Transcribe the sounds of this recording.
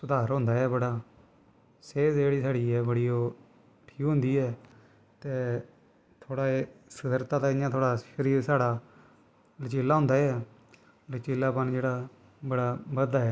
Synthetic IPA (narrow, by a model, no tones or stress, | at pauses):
sʊd̪aːɾɦʊ̃ːnd̪aːɛːbəɽaː | seːzd͡ʒeːɽiːsaːɽiːɛːbəɽiːoː | ʈʰiːkɦʊ̃nd̪iːɛː | t̪eː | t̪ʰoːɽaːeːsəd̪əɾt̪aːt̪aːɪjãːt̪ʰoːɽaːʃəɾiːɾsaːɽaː | lət͡ʃeːlːaːɦʊ̃nd̪aːɛː | lət͡ʃeːlːaːpənd͡ʒeːɽaː | bəɽaːbəd̪aːɛː